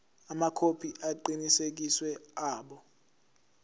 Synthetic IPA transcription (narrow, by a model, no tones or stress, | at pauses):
amakʰopʰiʔaǃinisek̬iswɛaːɓɔ